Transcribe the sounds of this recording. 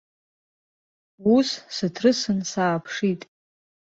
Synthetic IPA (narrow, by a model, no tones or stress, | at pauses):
ussɨtʰrɨsɨnsaːpʰʂitʼ